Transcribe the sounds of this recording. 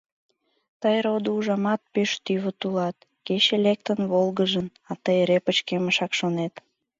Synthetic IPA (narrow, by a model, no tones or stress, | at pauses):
t̪əjɾod̪əuʒɑmɑt̪̚peʃt̪yβət̪ulɑt̪ | ket͡ɕelek̚t̪ənβolɡəʒən | ɑt̪əjeɾepət͡ɕkeməʃɑkʃonet̪